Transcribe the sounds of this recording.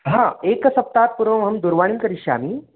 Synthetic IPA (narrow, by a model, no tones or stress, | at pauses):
ɦãekəsɐp̚t̪at̪̚puɾʋəmɦəmd̪uɾʋaɽ̃iːnkəɾiɕa̰miː